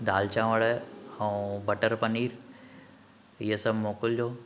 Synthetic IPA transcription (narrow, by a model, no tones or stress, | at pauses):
d̪aːlt͡ɕãːʋəɽaũbɐʈəɾpɐniːɾ | iɦəsɐbʱmoːkʊld͡ʑoː